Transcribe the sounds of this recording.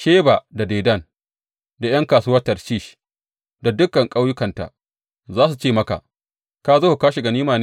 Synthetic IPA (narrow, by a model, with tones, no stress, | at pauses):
ʃeː˦ba˨da˨deː˨dɐ˦˨n | da˨j̰ɐ˦ŋkaː˨suː˦wɐ˦tɐ˨rt͡ʃi˦˨ʃ | da˨dʊ˦kːɐ˨ŋkʼa˦wjʊ˦kɐ˨nta̰˨ | zaː˦s̬u˨t͡ʃeː˦˨mɐ˦ka̰˨ʔ | kaː˦zoː˦hu˨kaː˦ʃi˨ɡa˨niː˦maː˨n˦